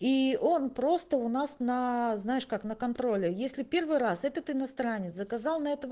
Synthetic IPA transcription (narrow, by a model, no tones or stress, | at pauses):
iʔo̞npɾo̞st̪əʊnasnəznajɪʂkaknəkɐnt̪ɾo̞lʲɪjesʲlʲɪpʲe̞rvɨjɾasɛt̪ət̪ɨnɐst̪ɾanʲːɪt̪szəkɐzalˠnɐɛt̪əv